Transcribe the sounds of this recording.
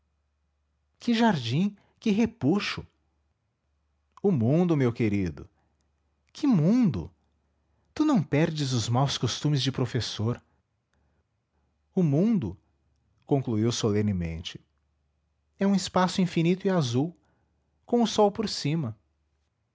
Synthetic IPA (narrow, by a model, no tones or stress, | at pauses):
kɪʒaɾd͡ʒĩ | kɪɦepuʃʊ | ʊmũd̪ʊmewkeɾid̪ʊ | kʰɪmũd̪ʊ̰ | t̪unɐ̃w̃pɛɾd͡ʒɪzʊzmawskost̪ũmɪzd͡ʒɪpɾofesoɾ | ʊmũd̪ʊ | kõŋkluiwsolẽnɪmḛ̃nt͡ʃɪ̥ | ɛũɪspasʊĩfinit̪ʊɪazuw | kõʊsɔwpoɾsĩmɐ